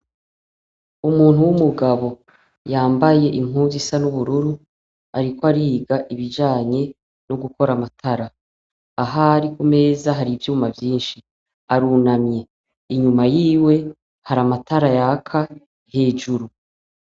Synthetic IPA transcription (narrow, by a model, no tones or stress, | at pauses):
umuːn̥uwumuɡaβo̞ | jaːmbaje̞ʔiŋ̥uːnzisanuβuɾuɾu | aɾikoaɾiːɡaʔiβid͡ʒaːɲe̞ | noɡuko̞ɾamatʰaɾaː | ɦaɾikume̞ːzaɦaɾivjuːmavjiːnʃi | aɾunamɲe̞ | iɲumajiːwe̞ | haɾamataɾajakʰa | he̞ːʒuɾu